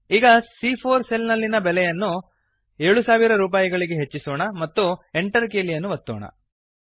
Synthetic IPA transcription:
iːɡɐsipʰoːɾselnɐlːinɐbɛlɛjɐnːu | eɭusaːʋiɾɐɾuːp̬aːjiɡɐɭiɡe̞ɦet͡ʃːisɔːɳɐmɐt̪ːueɳʈɐɾkeːlijɐnːuʋɐt̪ːo̰ːɳɐ̰

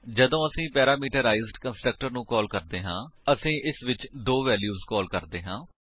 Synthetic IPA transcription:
d͡ʒəd̪õːəsĩːpɛːɾaːmiːʈəɾaːɪzɖkənsʈɾək̚ʈəɾnũːkɔːlkəɾd̪eːɦãːəsĩːʔɪsʋɪt͡ʃd̪oːʋɛːljuːzkɔːlkəɾd̪eːɦãː

